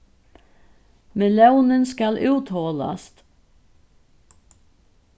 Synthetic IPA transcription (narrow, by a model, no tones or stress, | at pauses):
mɛlɑʉnənskɑlʔʉːt̪hɔlɑ̰st̪